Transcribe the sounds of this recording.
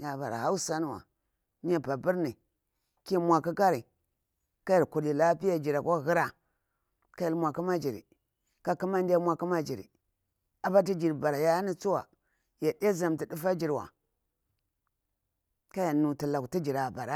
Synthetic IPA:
ja˨ba̰˨ɾa̰˨ha˦u˦sa˦n˦˨wa̰˨ | ɲ˦a˦ba˨bi˦ɾni˨ | ki˦mʷa˨ki˦ka˦ɾi˨ | ka˦ji˨ɾku˨li˨la˦pi˦ja˦d͡ʒi˨ɾa˨ka˦ɣi˦ɾa˨ | ka˦ji˦ɾmʷa˨ki˦ma˦d͡ʒi˨ɾḭ˨ | ka˦ku˦ma˦nda˦mʷa˨ku˦ma˦d͡ʒi˨ɾḭ˨ | a˨ba˦ti˦d͡ʒi˨ɾba˨ɾa˨ja˦ni˨t͡su˦wa̰˨ | ja˨de˦za˨mti˨di˦fa˦d͡ʒi˨ɾwa̰˨ | ka˦ja˨nu˨ti˨la˨ku˨ti˦d͡ʒi˨ɾa˨ba˨ɾa˦

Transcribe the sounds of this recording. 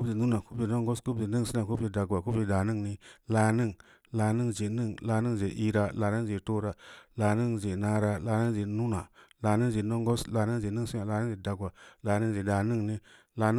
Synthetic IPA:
bzi˨nu˦na˨ku˦bi˨no˦ŋ˦ɡo˦sku˦bzi˨ni˦ŋsi˦a˨ku˦bd͡ʒi˨da˨ɡwa˨ku˦bi˨da˨ni˦ŋni˦la˨ni˦ŋ | la˨ni˦ŋd͡ʒe˨˦ni˦ŋla˨ni˦ŋd͡ʒe˨ʔi˦ɾa˦la˨ni˦ŋd͡ʒe˨to˦ɾa˦la˨ni˦ŋd͡ʒe˨na˦ɾa˦la˨ni˦ŋd͡ʒe˨nu˦na˨la˨ni˦d͡ʒe˨no˦ŋɡo˦sla˨ni˦ŋd͡ʒe˨˦ni˦si˦na˨la˨n˦d͡ʒe˨da˨ɡwa˨la˨ni˦ŋd͡ʒe˨da˨ni˦ŋni˦ | la˨n˦

